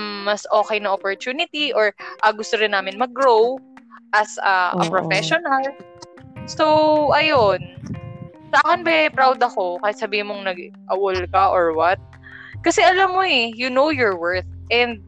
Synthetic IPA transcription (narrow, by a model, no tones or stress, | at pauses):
mɐsʔo̞ːkɛjnɐŋʔopoɹt̪uːnɪt̪iʔoɹʔɐɡʊst̪oɾɪnːaːmɪnmɐɡɾowʔɐsɐ̰ʔɐ̰pɹofɛʃonɐl | so̞wʔɐjon | saːkɐnbɛpɾawd̪ɐko̞kaːhɪt̪̚sɐbiːhɪnmoŋnɐɡʔɐʔolkɐʔoɹwɐt̪̚ | kɐsɛʔɐlamːoɛjʊnowjɔɹwɛɹθ̚ʔɛnd̪̚